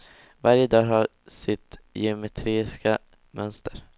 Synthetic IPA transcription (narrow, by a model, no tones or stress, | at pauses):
vaɾjəd̪ɑːɦa | sɪt̪jɛmɛt̪ʰɾiːska | mœnst̪əɾ